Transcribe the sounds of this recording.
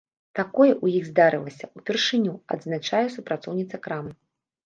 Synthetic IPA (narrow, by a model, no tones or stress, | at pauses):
t̪akɔjɛʔujiɣzd̪aɾɨlˠɐsʲɐupʲɛrʂɨnʲuɐ̰d̪znat͡ʂajɛsupɾat̪sɔ̰wnʲit̪sɐkɾamɨ